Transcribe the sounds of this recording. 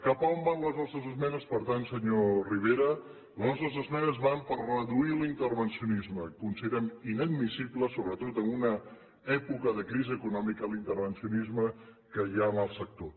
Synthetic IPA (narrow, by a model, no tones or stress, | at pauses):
kapəombanləznɔst̪ɾəzəzmɛnəspəɾt̪ansəɲoriβ̞eɾə | ləznɔst̪ɾəzəzmɛnəzβampərrəðuilint̪ərβənsiunizməkunsiðeɾɛminəd̪̚misibləsoβɾət̪ot̪əmunə | ɛpukəðəkɾiziəkunɔmikəlint̪əɾβənsiunizmə | kəjaəmalˠsək̚t̪o